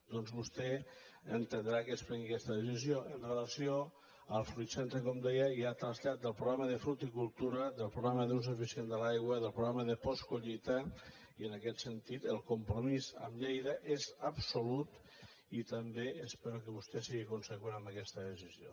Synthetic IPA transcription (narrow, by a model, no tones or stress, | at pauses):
d̪̥ɔnzβust̪ɛ | ənt̪ənd̪ɾakəspɾɛŋɡikɛst̪əðəsizjoʔənreləsio | əlˠfɾuit̪sent̪ekɔmd̪ɛjəjat̪ɾəzʎat̪̚d̪əlˠpɾuɣɾaməðəfɾut̪ikulˠt̪uɾəðəlˠpɾuɣɾaməðuns̬ufisiend̪əlajɣwəðəlˠpɾuɣɾaməðəpɔskuʎit̪a | iənəkɛt̪sənt̪it̪əlˠkumpɾomizə̰mʎejðəʔezəbsulut̪ | it̪əmbeəspeɾukəβ̞ust̪ɛsiɣikunsəkwenəmbəkɛst̪əðəsizio